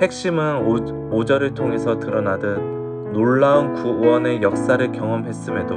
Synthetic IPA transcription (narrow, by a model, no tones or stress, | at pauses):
he̞k̚ɕ͈imɯn | od͡ʑʌɾɯɭtʰoŋe̞sʰʌtɯɾʌnadɯnː | oɭːaunkuwʌne̞jʌk̚s͈aɾɯɭkjʌŋʌmɦe̞s͈ɯme̞do